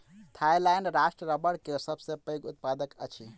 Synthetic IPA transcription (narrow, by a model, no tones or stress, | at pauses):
t̪ʰajlajnɾasʈɾəɾəbəɽkesəbʱsẽpəjɡut̪̚pad̪əkə̰t͡ʃʰi